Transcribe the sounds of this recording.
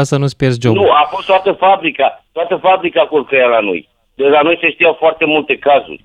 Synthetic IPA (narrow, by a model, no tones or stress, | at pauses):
asanuspers̬d͡ʒonuafo̞st̪oat̪əfabɾikat̪oat̪əfabɾikakulkəjalano̰j | d̪elanojseʃt̪ijawfoart̪e̞mult̪e̞kazṵrʲ